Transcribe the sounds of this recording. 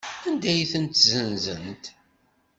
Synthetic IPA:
ænd̪æjθənt̪zənzənt̪

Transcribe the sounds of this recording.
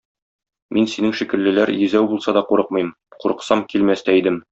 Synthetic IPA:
minsinɘŋʃikɘ̆ɾlɘ̆læɾjɵ̆zæwbulˠsɑd̪ɒquɾɤq̚mɤ̆jm | quɾɤ̆qsɑmkilmæst̪æid̪ɘm

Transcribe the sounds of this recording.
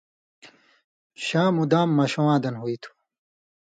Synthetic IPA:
ɕaːmud̪aːmːɐɕowãːd̪ɐnɦuit̪ʰu̥

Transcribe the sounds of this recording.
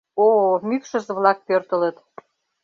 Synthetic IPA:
omykʃə̆zəβlɑk̚pørt̪ə̆lət̪

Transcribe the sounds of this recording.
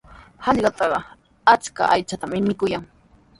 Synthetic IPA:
hɑʎɢɑt̪ɑɢɑ | at͡ʃka̰ʔajt͡ʃat̪amɪmɪkʊjaŋ

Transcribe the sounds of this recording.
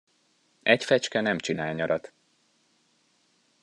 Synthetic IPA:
ʔɛcfɛt͡ʃkɛnɛmt͡ʃinaːlɲɒɾɒt̪

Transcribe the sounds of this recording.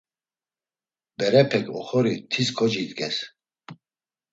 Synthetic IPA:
b̥ɛɾɛpʰɛkʼɔ̰χɔɾit̪ʰiskʰɔd͡ʒid̪ɡʼɛs

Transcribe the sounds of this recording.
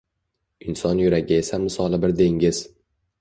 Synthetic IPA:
ɪnsɒnjʊɾaɡʲɪe̞samɪsɒlˠɪbɪɾd̪e̞ŋʲɪz̥

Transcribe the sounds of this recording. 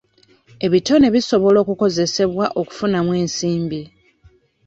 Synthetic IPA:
e̞βito̞ne̞βiso̞βo̞lo̞ːkuko̞ze̞se̞βwaʔo̞ku̥funamwe̞ːnsiːmbi

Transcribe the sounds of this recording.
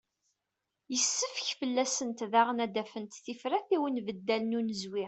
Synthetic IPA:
jəsːəfçfəlːæsənt̪ðaʁənæd̪æfənt̪θifɾæθiwənvəd̪ːælənunəzwɪ

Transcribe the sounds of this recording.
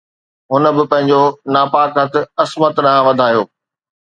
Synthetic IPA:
ɦʊnəbɪpɐ̃ɦɪ̃ɲd͡ʑonaːpaːkɦɐt̪ɪ̆ɐsmət̪nãʋɐd̪ʱaːjoː

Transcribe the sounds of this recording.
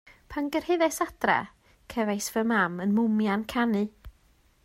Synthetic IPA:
pʰanɡərhɪðɛsad̥rɛ̰ | kʰɛvajsvəmamənmʊmjankʰanɨ

